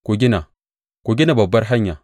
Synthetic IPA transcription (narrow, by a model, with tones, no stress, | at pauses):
ko˨ɡʲi˦na˨ | ko˨ɡʲi˦na˨bɐ˨bːɐ˦ɾɦa˦ɲːa˨